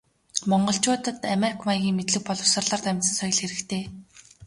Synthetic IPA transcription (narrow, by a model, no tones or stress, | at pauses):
mɔɴɢɞ̆ɬt͡ɕʊːt̪ə̆t̪amerikʰmajɣʲiːŋmet̪ɮɘ̆k̚pɔɮɞ̆wsə̆rɮaːrt̪æmʲt̪sə̆nsœjɞ̆ɮxeɾɘ̆kt̪ʰeː